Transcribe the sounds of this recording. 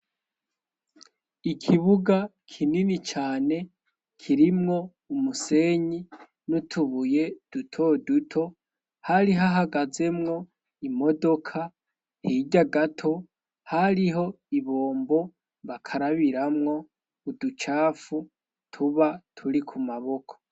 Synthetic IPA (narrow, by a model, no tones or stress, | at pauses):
ikʰiβuɡa | kʰininit͡ʃaːne̞ | kʰiɾimŋo̞ | umuse̞ɲi | nutʰuβuje̞d̥utʰo̞dutʰo̞ | haɾiɦaɦaɡaze̞mŋo̞ | imo̞do̞kʰa | hiɟaɡatʰo̞ | haɾiɦo̞ | iβoːmbo̞ | βakʰaɾaβiɾamŋo̞ː | dut͡ʃaːfu | tʰuβatʰuɾikʰumaβo̞kʰo̥